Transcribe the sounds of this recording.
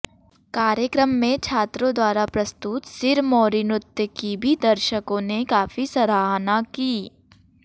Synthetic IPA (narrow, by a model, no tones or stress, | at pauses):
kaːɾjəkɾəmːẽt͡ʃʰaːt̪ɾõd̪waːɾapɾɐst̪ut̪sɪɾmoːɾɪnʊt̪jəkibʱid̪ɐɾʃəkõnekaːfisɐɾaːɦnakiː